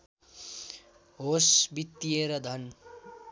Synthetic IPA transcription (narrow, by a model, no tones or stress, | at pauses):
ɦosbit̪ːieɾʌd̪ʱʌn